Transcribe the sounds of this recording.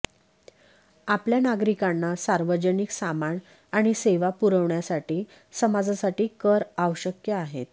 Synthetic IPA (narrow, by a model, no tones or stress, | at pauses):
apljanaɡɾikanːasaɾʋəd͡ʑəniksamaɳ | aɽ̃iseʋapuɾəʋɳjasaʈiː | səmad͡zasaʈiːkəɾaʋəɕəkjəaɦet̪